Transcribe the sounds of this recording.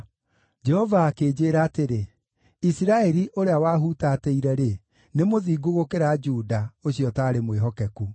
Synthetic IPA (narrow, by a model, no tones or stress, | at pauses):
d͡ʒɛhɔvaːkeːd͡ʒeːɾaːteɾe | isiɾaɛɾiʔoɾeawaːɦutatɛiɾɛɾe | nemoðiːɡoɣokeɾad͡ʒuːdaoɕijɔtaːɾemweɦɔkɛku